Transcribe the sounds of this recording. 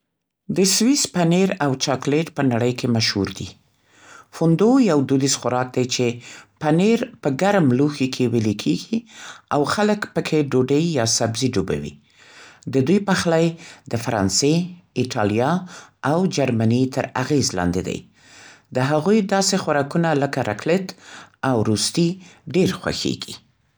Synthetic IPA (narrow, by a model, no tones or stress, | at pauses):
d̪əswispaneɾawt͡ʃɑkleʈpənaɽəjkʰemaʃhuɾd̪ḭ | fund̪ojawd̪ud̪isxʊɾɑk̚d̪ajt͡ʃepaneɾpəɡaɾmluxikʰewelekʰeɡiawxaləkpəkʰeɖoɖejjɑsabziɖuba̰wḭ | d̪əd̪ujpaxlajd̪əfaɾɑ̰nseɪʈʰɑljɑawd͡ʒaɾmanit̪ʰəɾaɣezlɑ̰nd̪ed̪a̰j | d̪əɦaɣujd̪ɑsexaɾɑkunaləkaɾʔa̰klɪt̪awɾust̪iɖeɾxwa̰xḛɡḭ